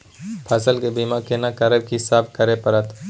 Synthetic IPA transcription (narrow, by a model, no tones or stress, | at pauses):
pʰɐsəlkebiːmakenakɐɾeb̚kisaːb̚kəɾepɐɾət̪